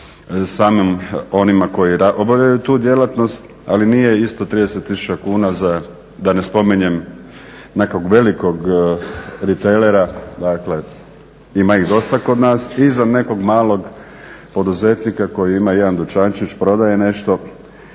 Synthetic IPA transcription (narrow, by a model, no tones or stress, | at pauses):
saːmimo̞nimako̞jiɾao̞bavʎajut̪uːd̪je̞lat̪no̞st̪ | a̰linije̞ist̪o̞t̪ɾiːd̪eset̪ːisu̥t͡ɕakuːnaza | d̪anespo̞miɲem | ne̞ko̞ɡʋe̞liko̞ɡ | ɾit̪ejleɾad̪akle̞ | imaiɣd̪o̞st̪ako̞d̪naːsizane̞ko̞ɡmaːlˠo̞ɡ | po̞d̪uze̞t̪nikako̞jiimaje̞d̪and̪ut͡ʃant͡ʃit͡ʃpɾo̞d̪aje̞ne̞ʃt̪o̞